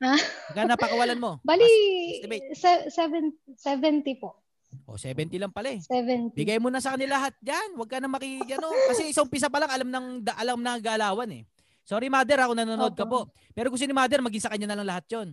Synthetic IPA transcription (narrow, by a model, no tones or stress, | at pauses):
aɐɡkːɐnɐpɐkɐwɐlanmo̞balibɛjsɛsɛvɛnt̪sɛvɛnt̪ipo | ʔo̞̰sɛːbɛnt̪ɪlɐŋpɐlɛɛvɛnt̪bɪɡajmunɐsɐkɐnɪlɐɦat̪̚d͡ʒanwɐɡ̚kɐnɐmɐkiɡɐno̞kɐsɛʔɪsaʔʊmpis̬ɐpɐlaŋɐlamnɐŋd̪ɐʔɐlamnɐɡɐʔɐlaːwɐnɛ̰ | so̞ːɾimaːd̪ɛɾɐkonɐnonod̪̚kɐpo̞ʔ | pɛːɾokʊs̬inɪmaːd̪ɛɾmɐɡiŋsɐkɐɲːanɐlɐŋlɐɦat̪̚jon